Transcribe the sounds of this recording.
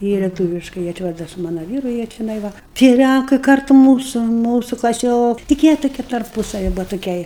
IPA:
ˈjiɛ lʲɛˈtuːʋʲɪʃkɐɪ jiɛ ˈt͡ʃʲɛ ˈʋɐ dɐ sʊ ˈmɑːnɐ ˈʋʲiːrʊ jiɛ t͡ʃʲɛˈnɐɪ ˈʋɐ tʲiɛ ˈlʲæŋkɐɪ ˈkɐrtʊ ˈmuːsʊ ˈmuːsʊ klˠɐˈsʲoːk tʲɪk ˈjiɛ tʊˈkʲiɛ tɐrˈpuːsɐʋʲɪ ˈbʊʋɐ tʊˈkʲɛɪ

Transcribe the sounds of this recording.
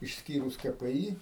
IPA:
ɪʃʲsʲˈkʲiːrʊs kɐ pʲɛ ˈiː

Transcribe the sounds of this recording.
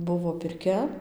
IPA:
ˈbʊʋoː pʲɪrʲˈkʲɛ

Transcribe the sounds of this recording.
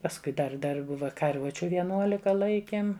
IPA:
pɐsˈkʊɪ ˈdɐr ˈdɐr ˈbʊʋɐ kɐrˈʋʊt͡ʃʲʊ ʋʲiɛˈnuɔlʲɪkɐ ˈlˠɐɪkʲeːm

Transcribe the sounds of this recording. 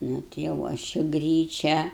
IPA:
ˈnʊ tɐɪ jɛʊ ˈɐʃ ɪ ˈɡrʲiːt͡ʃʲæː

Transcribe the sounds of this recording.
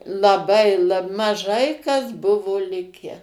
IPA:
lˠɐˈbɐɪ ˈlˠɐ mɐˈʒɐɪ kɐs ˈbʊʋoː ˈlʲɪkʲæː

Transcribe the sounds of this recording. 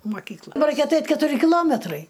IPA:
moːˈkʲiːklˠɐ bɐ ˈrɐɪkʲɛ ɐˈtɐɪtʲ kʲɛtʊˈrʲɪ kʲɪˈlˠoːmʲɛtrɐɪ

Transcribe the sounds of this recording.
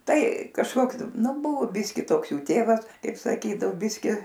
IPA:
ˈtɐɪ kɐʃˈkoːks ˈnʊ ˈbʊʋoː ˈbʲɪsʲkʲɪ ˈtoːks ˈjuː ˈtʲeːʋɐs ˈkɐɪp sɐˈkʲiːdɐoː ˈbʲɪsʲkʲɪ

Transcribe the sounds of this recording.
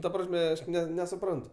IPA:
tɐ ˈprɑːsʲmʲɛ ˈɐʃ nʲɛsʊˈprɐntʊ

